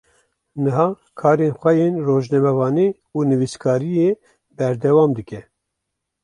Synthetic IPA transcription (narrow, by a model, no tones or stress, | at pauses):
nɨɦɑː | kʰɑːɾeːnxʷɛjeːnroːʒnɛmɛvɑːni | uːnɨviskʰɑːɾije | bɛɾd̪ɛwɑːmd̪ɨkɛ